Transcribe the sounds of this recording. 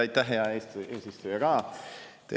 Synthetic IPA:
ɑjt̪ːæɦɦeɑeːseːsist̪ujɑɡ̥ɑːt̪e

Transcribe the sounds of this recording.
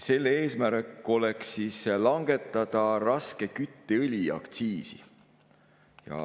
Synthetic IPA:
se̞lːee̞ːsmæɾekːˑo̞leksːiːslɑŋɡ̥e̞t̪ːˑɑd̪̥ɑrɑske̞kyt̪ːeɯlʲiɑ̰kt̪siːsḭ | jɑ̰

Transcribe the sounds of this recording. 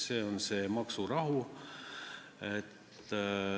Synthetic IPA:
se̞ːo̞nse̞ːmɑksurɑɦu | et̪ː

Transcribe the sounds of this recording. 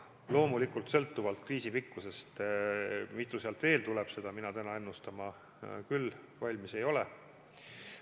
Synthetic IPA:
lo̞ːmulikult̪sɤ̞lt̪ːˑuvɑlt̪̚kriːsipikːuse̞st̪ | mit̪ːˑuseɑlt̪ve̞ːlt̪ulɛb̥se̞d̪̥ɑminɑt̪ænɑe̞nːust̪ɑmɑ | kylː | vɑlʲmise̞jo̞le

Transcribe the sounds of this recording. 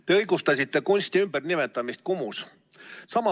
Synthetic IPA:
t̪e̞ɤjɡ̥ust̪ɑsʲit̪ːˑe̞kunʲsʲt̪iymb̥ernimet̪ːˑɑmist̪̚kumus | sɑmɑ

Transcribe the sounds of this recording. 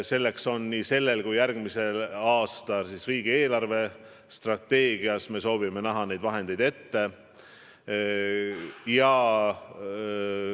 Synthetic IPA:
se̞lːe̞kso̞nːiːse̞lːe̞lkujjærɡ̥mise̞lɑːst̪ɑlsisriːɡ̥ie̞ːlɑrve̞ | st̪rɑt̪ːe̞ːɡ̥iɑsme̞so̞ːvime̞næɦɑnejd̪vɑɦe̞nd̪̥e̞jd̪e̞t̪ːe̞ | jɑ

